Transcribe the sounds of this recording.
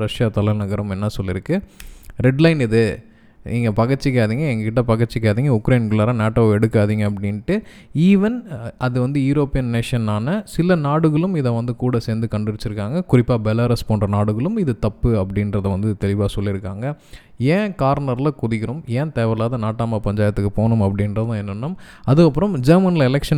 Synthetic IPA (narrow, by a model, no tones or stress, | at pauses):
ɾɐʂjaːt̪ɐlɐnɐɣɐɾɐmɛnːɐsɔlːɪɾɯkːɯɾɛɖlɐɪnɪðɯ | niːŋɡɐpɐɣɐɾt͡ʃːɯkːaːðiːŋɡɐɛŋɡɐkɪʈːɐpɐɣɐɾt͡ʃːɪkːaːðiːŋɡɐʊkɾɐɪnkɐɭaːɾãːnaːʈːoːɛɽɯkːaːðiːŋɡɐɐp̬ːɐɽɪnʈːɯ | iːʋɐnɐðɯʋɐnd̪ɯjʊɾoːpːɪjɐnːeːʂɐnːaːnɐsɪlɐnaːɽɯɣɐɭɯmɪðɐʋɐnd̪ɯkuːɽɐseːnd̪ɯkɐɳɖɪʋɪt͡ʃːɪɾɯkːaːŋɡɐkʊɾɪpːaːbɛlaːɾɐspoːnrɐnaːɽɯɣɐɭɯmɪðɯt̪ɐpːɯɐpːɐɽɪnɾɐðɐʋɐnd̪ɯt̪ɛlɪʋaːsɔlːɪɾɯkːaːŋɡɐ | ẽːkaːɾnɐɾlɐkʊðɪkːɪɾɯmẽːt̪eːʋɐɾɐlaːðɐnaːʈːaːmɐpɐɲd͡ʒaːjɐt̪ːɯkːɯpoːnɯmɐpːɐɽɪnɾɐðɐðãːɛnːɯnːɯm | ɐðɯkːɐpːɯɾɐmd͡ʒɐɾmɐnlɪlɛkʂɐn